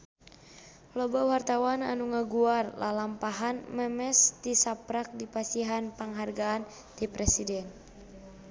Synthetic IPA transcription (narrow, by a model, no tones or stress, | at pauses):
lɔbawart̪awana̰nuŋəɡuarlʔa̰lampaɦanmɛmɛst̪isapɾak̚dipasiɦanpəŋɦarɡaːn | t̪ipɾɛsidɛn